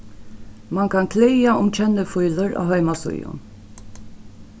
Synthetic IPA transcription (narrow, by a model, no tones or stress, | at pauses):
mankʰankʰlɪjaʊmt͡ʃʰɛnːəfʊjləɹa̰ːɦœʏmasʊ̰jʊ̰n